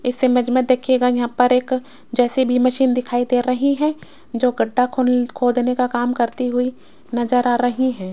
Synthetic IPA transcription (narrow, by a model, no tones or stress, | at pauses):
ɪsːemɛd͡ʒmə̃d̪eːkʰijeːɡajɐɦãpɐɾeːk | d͡ʒɛːsebʱimɐʃiːnd̪ɪkʰaːid̪eːɾɐɦiɦɛ̃ː | d͡ʒoːɡɐɖːakʰokʰoːd̪nekakaːmkɐɾt̪iɦʊi | nɐzəɾaːɾɐɦiɦɛ̃ː